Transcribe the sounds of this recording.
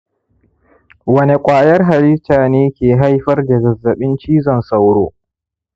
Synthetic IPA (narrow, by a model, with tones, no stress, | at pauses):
wɐ˦ne˨kʷʼaː˨jɐ˦rɦa˨ɾɪ˦taː˨neː˦kʲeː˨ɦa˦jɸɐ˦rda˨ɡɐ˨zːɐ˨ɓɪ˦nt͡ʃiː˦zɔ˨nsa˦wɽo̰ː˦